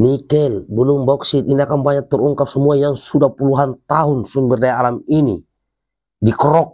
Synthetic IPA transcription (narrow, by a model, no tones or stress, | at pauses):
nikɛlbəlumbɔuksit̪̚iniakambaɲak̚t̪ːəruŋkap̚səmuajaŋsudahpuluɦant̪aɦunsumbirdajaalaminḭ | dikrɔk̚